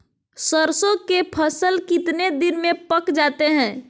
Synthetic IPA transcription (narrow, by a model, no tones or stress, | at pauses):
səɾsõkepʰəsəlkɪt̪ned̪inmẽpəkd͡ʒat̪eɦɛ̃ː